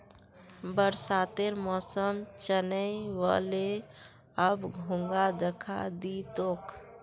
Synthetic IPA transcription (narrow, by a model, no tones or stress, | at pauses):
bəɾsaːt̪eɾmɔːsəmt͡ʃənəiʋa̰le | əbɡʱũŋɡad̪ekʰa̰d̪it̪oːk